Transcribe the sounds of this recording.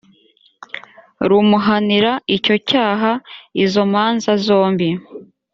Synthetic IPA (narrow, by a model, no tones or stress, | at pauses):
ɾumuɦaniɾaico̞caːɦaizo̞maːnzazo̞ːmbi